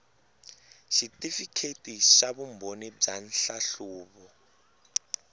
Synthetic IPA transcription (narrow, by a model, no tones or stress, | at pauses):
ʃitʼifikʰetʼiʃaβumbʱonib͡ʐan̩ɬaɬuːβɔ